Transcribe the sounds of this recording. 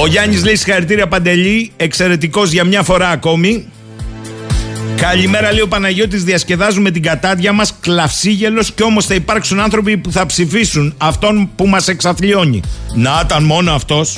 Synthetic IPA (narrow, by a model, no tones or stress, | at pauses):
o̞ʝɐɲizleisixɐɾit̪iɾiɐpɐnd̪e̞ʎie̞kse̞ɾe̞t̪iko̞zʝɐmɲɐfo̞ɾɐːko̞mi | kɐʎime̞ɾɐleiopɐnɐʝo̞t̪̬izðiɐsce̞ðɐzume̞t̪̬iɡɐt̪ɐðʝɐmɐsklɐfsiʝe̞lo̞sceo̞mo̞sθɐipɐɾksunɐnθɾo̞pipuθɐpsifisunɐft̪o̞npumɐse̞ksɐθʎio̞ɲḭnɐt̪ɐnmo̞no̞ɐft̪o̞s